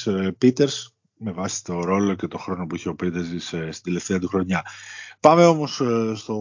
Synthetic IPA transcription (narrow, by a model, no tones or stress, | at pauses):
pit̪e̞ɾs | me̞vɐsi̥t̪o̞ɾo̞lo̞ce̞t̪oxɾo̞no̞puiçe̞o̞pɾit̪ezisst̪ind̪ele̞ft̪e̞ɐt̪uxɾo̞ɲɐpɐme̞o̞mo̞sst̪o